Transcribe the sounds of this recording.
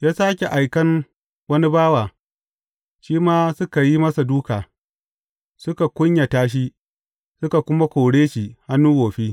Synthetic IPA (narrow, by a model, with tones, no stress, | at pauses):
jaː˦saː˦kʲe˨ʔa˨jkɐ˦n | wɐ˦ni˦baː˦waː˨ | ʃiː˦maː˦sʊ˦ka˨ji˦mɐ˦sa˨duː˦kaː˨ | sʊ˦ka˨kʷʊ˦ɲja˨taː˦ʃ̬i˦ | sʊ˦ka˨kʷʊ˦ma˦kʷoː˨ɽeː˦ʃi˨ha˦nːuː˦woː˨ɸiː˦